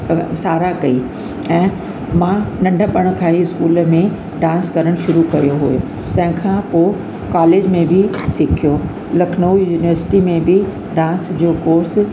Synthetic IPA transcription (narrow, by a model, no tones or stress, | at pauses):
saːɾakɐi | ɛ̃ː | mãnɐ̃ɳɖʱəɓɐɽ̃ə̆kʰaːɦiɪskuːlmẽ | ɖãːnskɐɾəɽ̃ʃʊɾukɐjoɦojo | t̪ɐ̃ɦɪ̃kʰãpoː | kaːleːd͡ʑmẽbʱɪsɪkʰijo | lɐkʰnəujuːniʋəɾsɪ̥ʈimẽbʱɪ | ɖãːnsd͡ʑoːkoːɾs